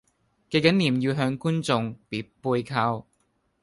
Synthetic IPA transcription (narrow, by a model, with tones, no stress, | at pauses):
ke˧jkɐ˨˥nliː˨˩mjiː˧wɦœː˧ŋkuː˥nt͡sʊ˨˧ŋpiː˨˥puː˧jkʰaː˧w